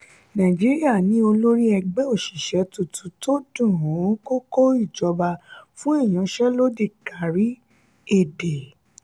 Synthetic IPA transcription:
nã˨d͡ʒi˦ɾi˦a˦˨nĩ˨˦o˧lo˦ɾi˦ɛ˧ɡ͡bɛ˦o˦˨ʃi˨ʃɛ˨˦tu˧tu˧˦to˦dũ˦˨ɾũ˨˦ko˦ko˦i˦˨d͡ʒɔ˨˧ba˧fũ˦i˦˨j̃ã˨˦ʃɛ˦lo˦de˦˨ka˨ɾi˦ | e˦˨de˨

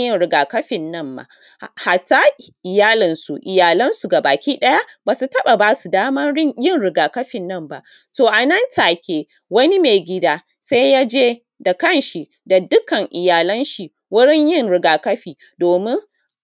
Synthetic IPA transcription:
jɪ˦nɽɪ˨˦ɡaː˨kɐ˦ɸɪ˨nːɐ˦˨mba̰˨ | ha˨ta˦ʔɪ˨jaː˦lɪ˨nsu˨ʔɪ˨jaː˨lɐ˦nsu˨ɡa˨baː˨kʲiː˦ɗɐ˦ja˦baː˨su˨tɐ˦ɓa˨baː˦su˨daː˦mɐ˦nɽɪ˦jɪ˦˨nɽɪ˨ɡaː˨kɐ˦ɸɪ˨nːɐ˦mba̰˨ʔ | toː˨ʔa˨nɐ˦ntaː˨kʲeː˨ | wɐ˦ni˦me˨ɡʲɪ˦daː˦ | sa˦jjaː˦d͡ʒeː˦ | da˨kɐ˦˨nʃi˨ | da˨dʊ˦kɐ˨ŋʔɪ˨jaː˨lɐ˦nʃi˨ | wʊ˦ɽɪ˦ɲjɪ˦˨nɾɪ˨ɡaː˨kɐ˦ɸiː˨ | doː˨mɪ˦ŋ

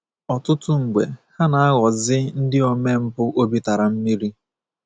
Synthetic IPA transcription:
ɔ˨tʊ˦tʊ˦ŋ̩˨ɡ͡be˨ha˦na˨a˦ɣɔ˨zɪ˦n̩˦dɪ˦o˨me˦m̩˦pʊ˦ʔo˦bi˦ta˨ɾa˨m̩˦mi˦ɾi˦

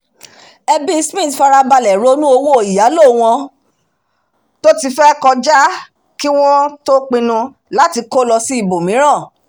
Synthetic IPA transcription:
ɛ˧bi˦˧smĩ˦˨tfa˧ɾa˧ba˧lɛ˨ɾo˨˦nũ˦o˧wo˦o˨i˨ja˨˦lo˦˨w̃ɔ̃˧ | to˦ti˧fɛ˦kɔ˧d͡ʒa˦ | ki˦w̃ɔ̃˦to˦k͡pĩ˧nũ˧ | la˨˦ti˧ko˦lɔ˧si˦i˦˨bo˨mĩ˨˦ɾ̃ã˦˨

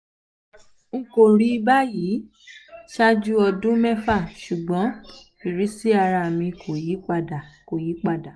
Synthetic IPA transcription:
ŋ̩˦˨ko˨ɾi˦ba˦ji˨˦ | ʃa˦d͡ʒu˦ɔ˧dũ˦mɛ˦fa˦˨ʃu˨ɡ͡bɔ̃˨˦fi˨ɾi˨˦si˦a˧ɾa˧˨mĩ˧kʰo˨ji˨˦k͡pa˦˨da˨ko˨ji˨˦k͡pa˦˨da˨

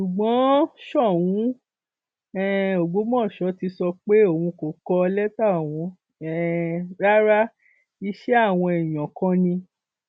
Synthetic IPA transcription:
ʃu˨ɡ͡bɔ̃˨˦ʃɔ˦˨wũ˨˦ | ɛ˦o˨ɡ͡bo˨˦mɔ̃˦˨ʃɔ˨˦ti˧sɔ˧k͡pe˦o˦˨wũ˧ko˨kɔ˧lɛ˦ta˦˨w̃ɔ̃˧ | ɛ˨ɾa˦ɾa˦ | i˧ʃɛ˦a˦˨w̃ɔ̃˧ɛ˨j̃ɔ̃˨kɔ̃˧˦nĩ˧

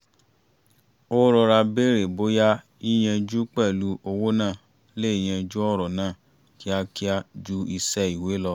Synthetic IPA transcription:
o˦ɾɔ˧ɾa˧be˦ɾe˨bo˦ja˦ | i˦j̃ɛ̃˧d͡ʒu˦k͡pɛ˦˨lu˧˦o˧wo˦nãː˦˨ | le˦i˧˨j̃ɛ̃˧d͡ʒu˦ɔ˦ɾɔ˨nãː˦˨ | ki˨˦a˧ki˦a˧d͡ʒu˦i˧sɛ˦i˨we˨˦lɔ˧

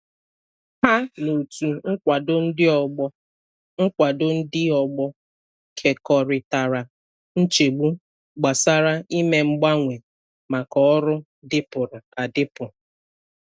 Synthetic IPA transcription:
ha˦no˨tu˨ŋ̩˦kʷa˨dʊ˦n̩˦dɪ˦ɔ˨ɡ͡bɔ˦ | ŋ̩˦kʷa˨dʊ˦n̩˦dɪ˦ɔ˨ɡ͡bɔ˦ | kʰe˨kɔ˨ɾɪ˨ta˨ɾa˨ | n̩˦t͡ʃe˨ɡ͡bu˦ | ɡ͡ba˨sa˦ɾa˦i˦me˨ŋ͡m̩˦ɡ͡ba˦ŋʷe˨ | ma˨kɔ˨ɔ˦ɾʊ˦ | dɪ˦pʊ˨ɾa˨a˨dɪ˦pʊ˨ɾʊ˨

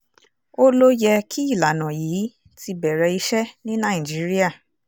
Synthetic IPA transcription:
o˦lo˦jɛ˧kʰi˦i˦˨la˨nã˨jiː˨˦ | ti˧bɛ˨ɾɛ˧i˧ʃɛ˦nĩ˦nã˦˨d͡ʒi˨˦ɾi˦a˦˨

